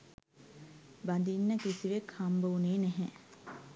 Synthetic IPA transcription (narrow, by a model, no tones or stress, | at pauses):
band̪inːəkisiʋekhambəuneːnɛɦɛ